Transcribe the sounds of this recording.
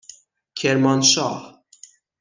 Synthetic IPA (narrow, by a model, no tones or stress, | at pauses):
kʰɛɾmɐnʃaːħ